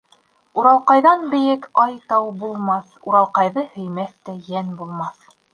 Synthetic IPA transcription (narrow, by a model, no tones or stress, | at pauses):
uɾɑlˠqɑjðɑnbɘ̆jɘkɑjt̪ɑwbulˠmɑθ | uɾɑlˠqɑjðɤhɵ̆jmæθt̪æjænbulˠmɑθ